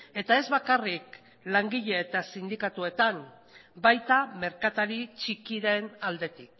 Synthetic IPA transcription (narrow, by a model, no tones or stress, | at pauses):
e̞t̪ae̞zβakarik | laŋɡiʎeet̪asind̪ikat̪ue̞t̪an | bajt̪ame̞ɾkat̪aɾit͡ʃikiɾe̞nald̪e̞t̪ik̚